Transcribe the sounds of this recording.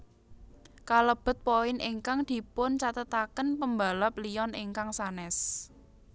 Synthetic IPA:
kaləb̥ə̤t̪̚poɪnʔeŋkaŋd̪̥i̤pʊnt͡ʃat̪ət̪akənpəmba̤lap̚lijɔneŋkaŋsanɛs

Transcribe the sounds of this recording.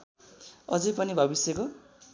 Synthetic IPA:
ʌd͡zʌjpʌnibʱʌbisjeko

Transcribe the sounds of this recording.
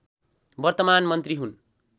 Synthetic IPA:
bʌrt̪ʌmanmʌnt̪riɦun

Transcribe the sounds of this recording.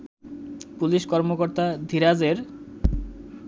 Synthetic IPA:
puliʃkɔɾmokoɾt̪ad̪ʱiɾad͡ʑeɾ

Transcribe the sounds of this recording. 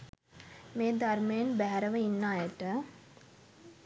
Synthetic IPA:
meːd̪armejənbæɦæɾəʋəinːaːjəʈə

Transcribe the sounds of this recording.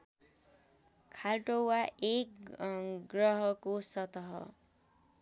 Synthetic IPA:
kʰalʈowaʔek | ɡrʌɦʌkosʌt̪ʌɦʌ̰

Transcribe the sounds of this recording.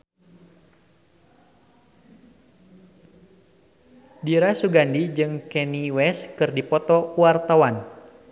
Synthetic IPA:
diɾasuɡandid͡ʒɨŋkɛniwɛskɨrdipɔt̪ɔuart̪awan

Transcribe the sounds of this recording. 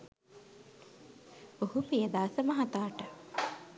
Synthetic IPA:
ohupijəd̪aːsəməɦat̪aːʈə

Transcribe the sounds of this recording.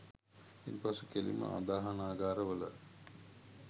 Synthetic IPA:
inpasukelḭmə̰ʔa̰d̪aːɦanaːɡaːɾəʋələ̰

